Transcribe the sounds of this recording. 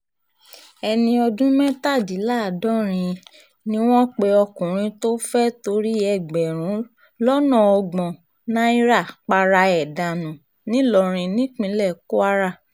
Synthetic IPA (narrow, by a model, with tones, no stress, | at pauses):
ɛ˧nĩ˧ɔ˧dũ˦mɛ̃˦ta˦˨di˨˦laː˦˨dɔ̃˦ɾ̃ĩ˧ | nĩ˦w̃ɔ̃˦k͡pe˧ɔ˧kũ˨ɾ̃ĩ˧to˦fɛ˦to˧ɾi˦ɛ˦˨ɡ͡bɛ˨ɾ̃ũ˨˦ | lɔ˦nɔ̃˦˨ɔ˧ɡ͡bɔ̃˨ | nã˦i˦ɾa˦˨k͡pa˧ɾa˧ɛ˨da˨nũ˨ | nĩ˨˦lɔ˨ɾ̃ĩ˧nĩ˨˦k͡pĩ˧lɛ˦˨ko˦a˦ɾa˦˨